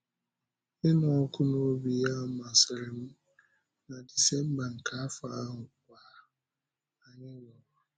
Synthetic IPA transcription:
ɪ˦nɔ˨ɔ˦kʊ˦nʊ˦o˦bi˨a˦ma˨sɪ˨ɾɪ˨m̩˦ | na˨di˨sɛ˦m̩˦ba˨ŋ̩˨kʰa˨˦fa˨˦ɦʊ˨kʷaː˦ | a˨ɲɪ˦wɔ˨ba˨

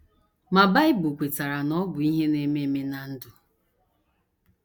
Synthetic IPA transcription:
ma˨ba˦ɪ˦bʊ˨kʷe˨ta˨ɾa˨nɔ˦bʊ˨i˦ɦe˦ne˦me˦me˦na˨n̩˦dʊ˨

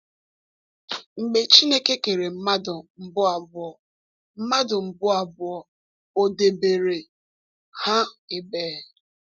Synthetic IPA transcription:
ŋ͡m̩˨ɡ͡be˨t͡ʃi˦ne˦ke˦ke˨ɾe˨m̩˦ma˦dʊ˨m̩˨bʊ˦a˨bʊ˨ɔ˨ | m̩˦ma˦dʊ˨m̩˨bʊ˦a˨bʊ˨ɔ˨ | o˨de˨be˨ɾe˨ | ha˦e˨beː˨

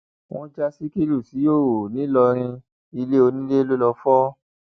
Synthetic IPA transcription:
w̃ɔ̃˦d͡ʒa˧si˦ki˦ɾu˦˨si˨˦jo˦˨o˨nĩ˨˦lɔ˧ɾ̃ĩ˧ | i˧le˦o˧nĩ˦le˦lo˦lɔ˧fɔ˦

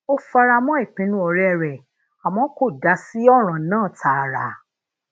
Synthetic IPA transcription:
o˦fa˧ɾa˧mɔ̃˦i˦˨k͡pĩ˨˦nũ˦ɔ˧ɾɛ˦˨ɾɛ˨ | a˨mɔ̃˨˦ko˦˨da˨˦si˦ɔ˦ɾ̃ã˨˦nãː˦˨tʰa˨ɾa˨˧˦

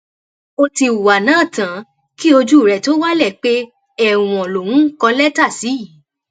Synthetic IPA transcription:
o˧ti˧u˨wa˨nãː˦˨tã˨˦ | ki˦o˧d͡ʒu˦˨ɾɛ˨to˦wa˦lɛ˦˨k͡pe˦ | ɛ˦˨w̃ɔ̃˨lo˨wũ˦kɔ˧lɛ˦ta˦˨si˨˦i˦˨

